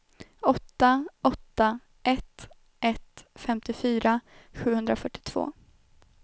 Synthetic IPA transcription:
ɔt̪ːaɔt̪ːa | ʔɛt̪ | ʔɛt̪fɛmt̪ɪfyːɾaɧʉ̟ːhɵnd̪ɾafœʈːɪ̥t̪ʰv̥o̰ː

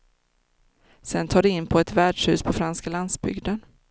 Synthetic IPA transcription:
sɛnt̪ʰɑːdɛɪnːpʰɔɛt̪væːɖʂhʉ̟ːspʰɔfɾanskaland̪sbʏ̰ɡd̪ən

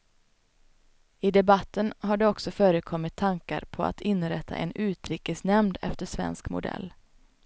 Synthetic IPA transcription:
ɪd̪ɛbat̪ːənɦaɖɛɔksɔfœːɾəkʰɔmːɪt̪ʰːaŋka̰ɾpʰɔa̰t̪ʰɪnːɾɛt̪ʰːa̰ʔɛ̰nʉ̟ːt̪ɾiːkəsnɛmd̪ɛ̰ft̪əʂvɛ̰nskmʊ̰d̪ɛ̰lː

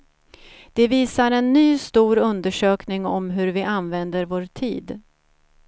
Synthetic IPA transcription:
d̪̥ɛviːsaɾɛnːyːst̪uːɾɵnd̪əʂøːknɪŋɔ̰mɦɵɾvɪʔanvɛnd̪əɾvoːɾt̪ʰḭːd̪

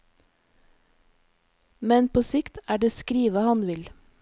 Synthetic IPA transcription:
mɛnpʰoːsɪkt̪æːɖeːskɾiːʋəhɑnʋɪl

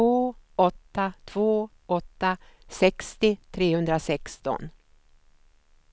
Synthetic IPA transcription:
oːɔt̪ːat̪ʰv̥oː | ɔt̪ːasɛkst̪ɪt̪ʰɾeːhɵnd̪ɾasɛkst̪ɔ̰n

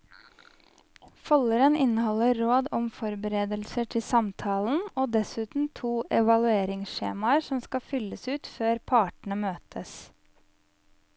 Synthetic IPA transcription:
fɔləɾənɪnəhɔləɾoːd̪ɔmfɔɾbəɾeːd̪əlsəʈʰɪsɑmt̪ʰɑːln̩oːd̪ɛsʉːt̪n̩t̪ʰuːʔɛʋɑlʉeːɾɪŋsʃḛːmɑəsɔmskɑfʏləsʉːt̪føːɾpʰɑːʈɳ̩əmøːt̪ʰəs

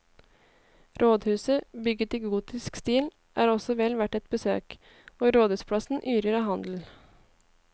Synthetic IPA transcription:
ɾʔoːd̪hʉːsəbʏɡət̪ɪɡuːt̪ɪskst̪iːl | ʔæ̰ːɾɔsɔʋɛlʋæʈɛt̪̚bəsø̰ːk | oːɾoːd̪ʉːspʰlɑsn̩ʔyːɾəɾɑːhɑnd̪l̩

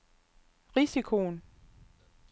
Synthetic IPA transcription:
ʁisikʰo̝n

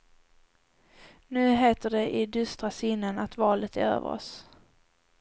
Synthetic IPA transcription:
nʉ̟ːɦeːt̪əɖɛʔɪd̪ɵst̪ɾasɪnːənat̪vɑːlət̪æ̰ɾø̰ːvə̰ɾɔ̰s

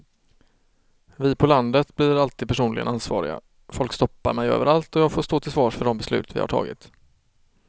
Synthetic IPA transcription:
vɪpʰɔland̪ət̪blɪɾalt̪ʰiːd̪̚pʰæʂuːnlɪɡənansvɑ̰ːɾɪ̰ɡa̰ | fɔlkst̪ɔpːa̰ɾmɛjø̰ːvəɾalt̪ɔjɑːɡfoːʂt̪oːt̪ɪlsvɑːʂfœɖɔmbɛslʉ̟ːt̪vɪ̰ha̰ʈʰɑ̰ːɡɪ̰t̪

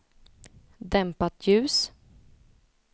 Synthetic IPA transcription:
d̪ɛmpat̪ʰjʉ̟ːs

